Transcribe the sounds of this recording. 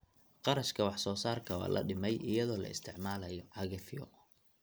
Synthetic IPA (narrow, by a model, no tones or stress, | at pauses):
qɑɾɐʃkʰɐwɑħsɔːsaːrkʰɐwɑ̰ːlʔɐ̰ɖɪmɛjɪjɐðɔːlɐ̰ɪst̪ʰɪʕmaːlɐjɔʕɑɣɐfɪjɔ̰